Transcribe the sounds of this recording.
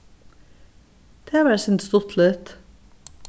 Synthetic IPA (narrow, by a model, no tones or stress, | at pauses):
t̪ʰeːʋæɾsʏnt̪st̪ʊt̪ʰlœːt̪